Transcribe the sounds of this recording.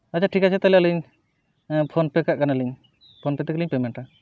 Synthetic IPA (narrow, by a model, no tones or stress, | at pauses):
ət͡ʃʰaʈʰikat͡ʃʰɛt̪alɛaliɲ | pʰonpɛkaʔkanaliɲ | pʰonpɛt̪ɛkliɲpɛmɛɳʈa